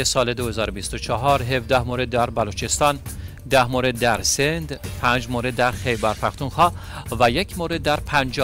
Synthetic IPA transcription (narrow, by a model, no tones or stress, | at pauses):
esɒːled̪ohezɒːɾobist̪ot͡ʃʰɒɦɒːɾɦe̞vd̪æhmoɾe̞d̪ːæɾbælut͡ʃʰe̞st̪ɒn | d̪æhmoɾe̞d̪ːæɾsend̪pʰæːnd͡ʒmoɾed̪ːæɾχejbæɾfæxt̪unxɒːvæjecʰmoɾe̞d̪̚ːæɾpʰænd͡ʒɒ